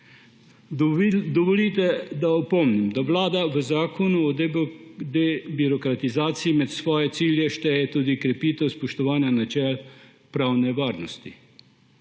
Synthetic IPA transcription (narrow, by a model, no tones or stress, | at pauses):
d̪ɔʋɔliːt̪ɛd̪aɔpɔmnimd̪aʋlaːd̪aʋəzaːkʰɔnuɔd̪d̪ɛbiɾɔkɾat̪izaːt̪siimɛt̪sʋɔːjɛt̪siːljɛʃt̪ɛjɛt̪uːd̪ikɾɛpiːt̪ɛwspɔʃt̪ɔʋaːnjanat͡ʃɛl | pɾaːwnɛʋaːɾnɔst̪i